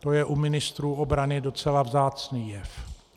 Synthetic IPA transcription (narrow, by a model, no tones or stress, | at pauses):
t̪o̞jɛʔumɪnɪst̪ɾuːo̞bɾanɪdo̞t͡sɛlavzaːt͡sniːjɛf